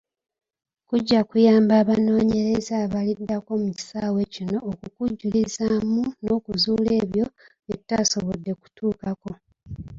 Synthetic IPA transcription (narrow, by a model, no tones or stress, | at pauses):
kuɟːakujaːmbaːβano̞ːɲe̞ɾe̞zaːβalidːako̞muci̥saːwe̞cino̞ːkukuɟːulizamuno̞ːkuzuːle̞ːβjo̞ | etːaːso̞βodːe̞ku̥tʰuːkako̞